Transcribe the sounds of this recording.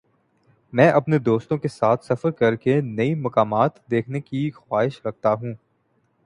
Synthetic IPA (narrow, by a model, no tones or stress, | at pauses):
mɛ̃ːʔɐpned̪oːst̪õkesaːt̪ʰsɐfəɾkɐɾkenɐimɐkaːmaːt̪d̪eːkʰnekixwaːɦɪʃɾɐk̚t̪aɦũː